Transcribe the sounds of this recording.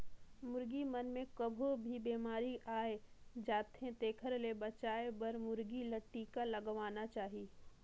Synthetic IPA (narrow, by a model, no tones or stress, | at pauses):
mʊɾɡimɐnmẽkɐbʱobʱibeːmaːɾiʔaːed͡ʒaːt̪ɦẽt̪eːkʰəɾlebɐt͡ʃaːebɐɾmʊɾɡilɐʈːikalɐɡʋaːnat͡ʃaːɦi